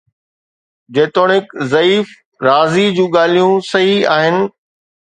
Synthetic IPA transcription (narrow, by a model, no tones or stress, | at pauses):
d͡ʑeːt̪oːɽ̃ɪkzɐiːf | ɾaːzid͡ʑũːɠaːl̤ijũsɐɦiaːɦɪnɪ̆